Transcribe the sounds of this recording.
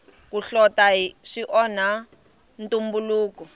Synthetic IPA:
kuɬɔtaɦiʂiʔɔna | ntumbuluːkɔ

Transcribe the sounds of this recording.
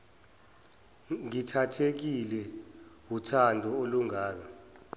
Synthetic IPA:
ŋitʰatʰek̬ilɛwutʰandʱɔoluŋaːlɔ

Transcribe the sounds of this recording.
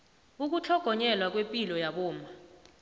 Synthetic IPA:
uk̬ut͡ɬʰɔɡ̥ʱɔɲɛlwak̬wempʼilɔjaɓɔːma

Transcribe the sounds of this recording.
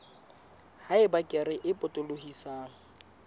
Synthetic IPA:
haɪbakʼɪrɪʔɪpʼʊtʼʊlohisaːŋ̩

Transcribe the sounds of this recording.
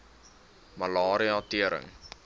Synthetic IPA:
mɐlɑːɾiɑtiəɾə̰ŋ

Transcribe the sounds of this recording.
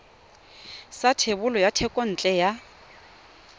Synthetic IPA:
satʰeβʊlɔjatʰɛkʼɔn̩t͡ɬʼɛja

